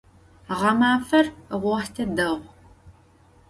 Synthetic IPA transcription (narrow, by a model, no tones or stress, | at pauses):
ʁɐmaːfɐrʁʷɔħtʰɐdɐʁʷ